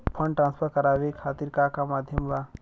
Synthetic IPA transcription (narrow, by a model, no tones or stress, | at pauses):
pʰə̃ɳɖʈɾãːnspʰəɾkɐɾaːʋekʰaːt̪iɾkakamaːd̪ʱjəmʋa